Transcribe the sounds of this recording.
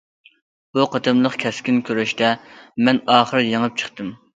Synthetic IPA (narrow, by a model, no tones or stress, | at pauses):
b̥uqʰət̪ʰɨmlˠəχkʲʰɛskʲinkʲʰøɾɛʃt̪ɛmɛnɑːχəɾjəŋəp̚t͡ʃʰə̥χt̪ɨm